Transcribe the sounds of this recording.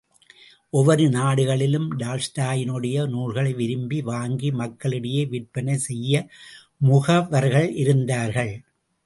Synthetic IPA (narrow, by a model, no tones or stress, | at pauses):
ʔɔʋɐɾɯnaːɽɯɣɐɭɪlɯmɖaːlsʈaːjɪnɯɽɐjɐnuːlɣɐɭɐɪʋɪɾɯmbiʋaːŋɡimɐkːɐɭɯɽɐjeːʋɪʈ̚pɐnɐɪsɛjːɐ | mʊɣɐʋɐɾɣɐɭʔɪɾɯnd̪aːɾɣɐɭ